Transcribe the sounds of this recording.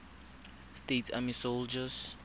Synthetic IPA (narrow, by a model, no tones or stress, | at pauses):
stetʰamisold͡ʒas